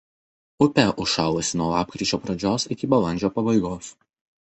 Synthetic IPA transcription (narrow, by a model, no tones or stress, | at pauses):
ʊpʲɛʔʊʃɑːlˠosʲɪnuɔlˠɑːp̚ʲkɾʲɪˑt͡ʃʲoːpɾɐd͡ʒʲoːsɪkʲɪbɐlˠɐnʲd͡ʒʲoːpɐbɐɪɡoːs